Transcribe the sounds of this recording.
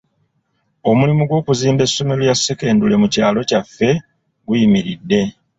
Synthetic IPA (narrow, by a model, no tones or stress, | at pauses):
o̞mulimuɡwo̞ːkuziːmbe̞sːo̞melujasːeke̞ːndule̞mucaːlo̞cafːe̞ | ɡujimiɾidːe̞